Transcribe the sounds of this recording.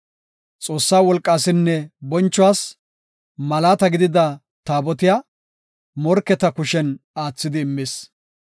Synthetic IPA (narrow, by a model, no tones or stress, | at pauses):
t͡sʼo̞ːsːaːwɔlkʼːaːsɪnːɛbɔnt͡ʃːɔwaːs | mɐlaːt̪ɐɡɪd̪ɪd̪ɐ | t̪aːbɔt̪ɪja | mɔɾkːɛt̪ɐkʊʃɛnaːt͡sːɪd̪ɪːmːes